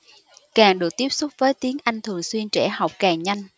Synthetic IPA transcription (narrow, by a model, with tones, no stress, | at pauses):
kaː˨˩ŋɗɨ˨˩ək̚t̪i˦˥əp̚sʊ˦˥k͡p̚vəː˨˦jt̪i˨˦əŋʔa˧jŋ̟t̪ʰɨ˨˩əŋswi˧ənt͡ɕɛ̰˧˩ha˨˩wk͡p̚kaː˨˩ŋɲa˧jŋ̟